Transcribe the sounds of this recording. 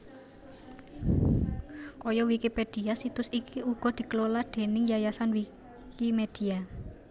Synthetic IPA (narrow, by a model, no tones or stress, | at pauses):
kɔjɔwikiped̪̥i̤asit̪ʊsikʰiuɡ̥ɔ̤d̪̥i̤klolad̪̥e̤nɪŋjajasanwi | kimed̪̥i̤a